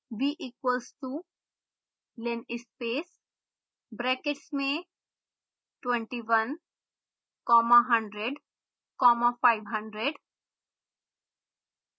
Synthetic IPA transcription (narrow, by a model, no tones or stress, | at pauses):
biːʔiːkwəlsʈu | lẽnɪspeːs | bɾɛːkeʈsmẽ | ʈwẽɳʈiʋɐ̃n | kɔːmaɦɐ̃ɳɖɾeɖ | kɔːmafaɪʋɦɐ̃ɳɖɾeɖ